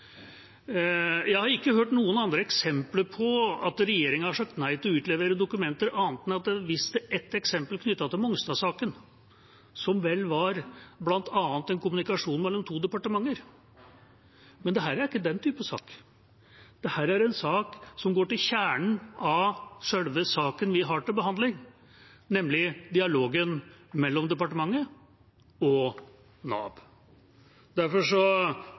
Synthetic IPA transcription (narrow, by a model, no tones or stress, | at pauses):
jæɪhɑɾɪkːəɦøːʈnuːənɑnd̪ɾəɛksɛmpləɾpʰɔɑt̪ɾɛjeːɾɪŋənhɑʂɑk̚t̪næɪt̪ʰɪlɔʉːt̪lɛʋeːɾəd̪ʊkʉmɛnt̪əɾɑːnət̪̚mɛnɑt̪̚d̪ɛʋɪst̪əʔɛt̪ːɛksɛmpəlkʰnʏt̪ːɑt̪ɪlmɔŋst̪ɑsɑːkən | sɔmʋɛlːʋɑɾblɑnt̪ʰɑːnt̪ɛnkʰʊmʉnɪkɑʂuːnmɛlːɔmt̪ʰuːd̪ɛpɑʈəmɑŋːəɾ | mɛnd̪ɛɦæːɾæɾɪkːəd̪ɛnt̪ʰyːpəsɑ̰ːk | d̪̥ɛhæːɾæɾɛnsɑːksɔmɡoːʈɪlçæːɳɳ̩ɑʂɛlʋəsɑːkənʋɪɦɑʈɪlbəɦɑnd̪lɪŋ | nɛmlɪd̪ɪɑloːɡənmɛlːɔmd̪ɛpɑʈəmɑŋːə | ɔ | nɑ̰ːb | d̪æɾfɔʂɔ